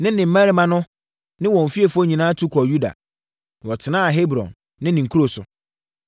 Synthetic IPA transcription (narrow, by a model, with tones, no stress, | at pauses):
nɪ̃˦nɪ̃˨m̩˦mæ̃˦ɾi˦mã˦nʊ̃˦ | nɪ̃˦wɔ̃˨ɱ̩˨fi˦e˨fʊ˦ɔ˦ɲĩ˨nã˦tʰu˦kʰɔ˨ju˦da̰˨ | wɔ˨tʰɪ˨nãː˦a˨ɦe˦bɾɔ̰̃˨nː | ɪ̃˦nɪ̃˨ŋ˨kʰu˦ɾo˨sʊ̰˨